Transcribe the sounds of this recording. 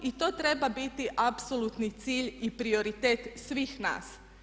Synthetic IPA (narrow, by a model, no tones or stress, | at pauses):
it̪o̞ːt̪ɾebabit̪iʔapsolut̪nit̪siːʎipɾio̞ɾit̪eːt̪sʋiːxna̰ːs